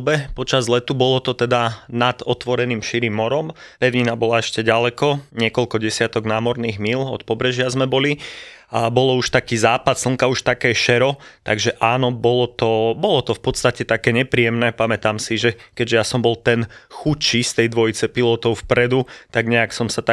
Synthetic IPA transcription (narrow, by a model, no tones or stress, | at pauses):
bɛpɔt͡ʃazlɛt̪ubɔlɔt̪ɔt̪ɛd̪anad̪̥ɔt̪ʋɔɾɛniːmʃiɾiːmːɔɾɔm | pɛʊɲinabɔlaɛʃcɛɟalɛkɔɲɪɛkɔlkɔɟɛsɪat̪ɔɡnaːmɔɾniːɣmilɔt̪̚pɔbɾɛʒɪazmɛbɔliabɔlɔuʃt̪akiːzaːpat̪sl̩ˠŋkauʃt̪akɛːʃɛɾɔt̪aɡʒɛʔaːnɔbɔlɔt̪ɔbɔlɔt̪ɔfpɔt̪st̪acɛt̪akɛːɲɛpɾijɛmnɛːpamɛt̪amsiʒɛkɛʒɛjasɔmbɔlˠt̪ɛnxut͡ʃist̪ɛjd̪ʋɔjit͡sɛpilɔt̪ɔʊfpɾɛd̪ut̪aɡɲɛaksɔmsat̪a